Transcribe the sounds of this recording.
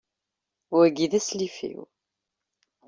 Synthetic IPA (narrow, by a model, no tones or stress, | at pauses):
wæɡiðæslifḭw